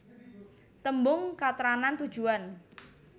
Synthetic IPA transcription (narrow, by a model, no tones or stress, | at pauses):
t̪əmbʊŋkat̪ɾanant̪ud̥ʒ̥uan